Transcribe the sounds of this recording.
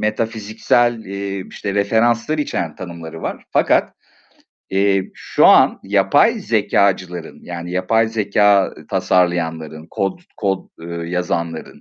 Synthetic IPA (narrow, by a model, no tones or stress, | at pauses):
me̞t̪ʰafizicsælʲɛiʃt̪ʰɛɾefe̞ɾanslˠaɾit͡ʃʰeɾænt̪ʰanɯmlˠaɾɯvaɾ̥fakʰat̪ | ɛːʃuanjapʰajze̞cʰaːd͡ʒɯlˠaɾɯnjaːnijapʰajze̞cʰaːt̪ʰasaɾlˠajanlˠaɾɯnkʰod̪kʰod̪jazanlˠaɾɯ̰n